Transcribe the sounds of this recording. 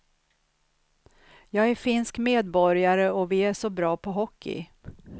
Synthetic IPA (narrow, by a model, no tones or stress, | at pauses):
jɑːɡæɾfɪnskmeːd̪̚bɔɾjaɾəɔvɪæʂɔbɾɑːpʰɔɦɔkʰːɪ̰